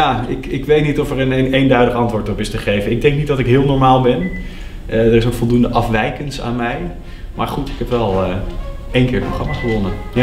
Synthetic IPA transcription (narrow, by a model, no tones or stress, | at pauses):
jaːɪkɪkʋejtnitɔfəɹənejndœɥdəχɑntʋʊːɹtɔpɪstəχejvənɪɡ̚dɛŋk̚nitdɑtɪkɦɪːlˠnɔɹmaːlˠbɛn | ʔədərɪsənfɔlˠdundəʔɑfʋɛjkənsa̰ːnmɛj | maːɹχutɪkɦɛpʋɛlˠə | ejnkɪːɹproχrɑmaːχəʋɔnə | ja